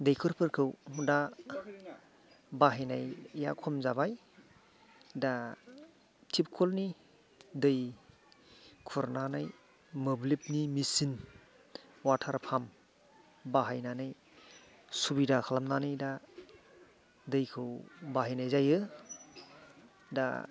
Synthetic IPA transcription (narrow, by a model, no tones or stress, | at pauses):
dɯjkʰɯɾpʰɯɾkʰɯwda | baɦajnajja̰kʰɔmzabaj | da | tʰip̚kʰɔlni | dɯj | kʰɔɾnanaj | mɯblip̚nimisin | watʰaɾpʰam | baɦajnanɯj | subidakʰalamnanɯjda | dɯjkʰɯwbaɦajnajzajɯ | da̰